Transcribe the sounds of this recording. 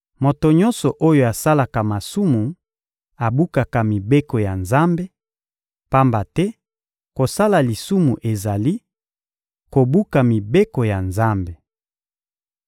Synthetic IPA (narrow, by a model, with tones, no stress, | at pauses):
mo˨to˨ɲɔ̃˦nsɔ˨ʔo˦jo˨a˨sa˦la˨ka˨ma˨su˦mu˨ | a˨bu˦ka˨ka˨mi˨be˦ko˨ja˨nza˦mbe˦ | pa˦mba˨tɛ˦ | ko˨sa˦la˨li˨su˦mu˨ʔe˨za˨li˦ | ko˨bu˦ka˨mi˨be˦ko˨ja˨nza˦mbe˨